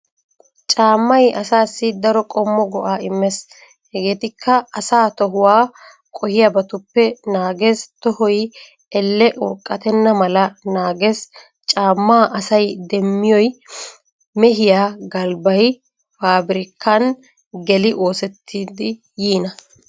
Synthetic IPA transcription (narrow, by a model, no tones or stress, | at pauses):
t͡ʃʼaːmːɐjʔɐsaːsːɪd̪ɐɾɔkʼɔmːɔɡɔʔaːɪmːɛs | hɛɡe̞ːt̪ɪkʰːɐɐsaːt̪ɔɦʊwaː | kʼɔhɪjabɐt̪ʊpːɛnaːɡest̪ɔhɔj | ɛlːɛʔɔkʼːɐt̪ɛnːɐmɐlɐnaːɡes | t͡ʃʼaːmːaːʔɐsɐjd̪ɛmːɪjɔj | mɛɦɪjaːɡɐlbɐj | faːbɪɾɪkʰːɐn | ɡɛlɪʔo̞ːsɛt̪ʰːiːd̪ɪ | jiːnɐ